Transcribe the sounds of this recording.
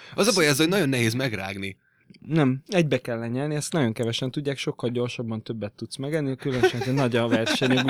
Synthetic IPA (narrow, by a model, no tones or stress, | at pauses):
ɒzɒbɒjaːzhonɒɟo̞nːɛɦeːzmɛɡra̰ːɡni | nɛmɛɟ̚bɛkɛlːɛɲɛlniɛst̪nɒɟo̞ŋkɛvɛʃɛnt̪uɟːaːkʃo̞kːɒlɟo̞rʃɒbːɒnt̪øbːɛt̪ːut̪smɛɡɛnːikylønʃɛnzɛnɒɟɒvɛrʃɛɲɛɡu